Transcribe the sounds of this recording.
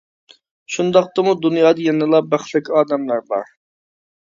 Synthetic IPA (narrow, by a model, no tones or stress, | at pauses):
ʃund̪ɑq̚t̪ɑmud̪unjɑːd̪ʌjenɨlˠɑbæχlɪkʲɑːd̪ɛmlæɾbɑ̰ɾ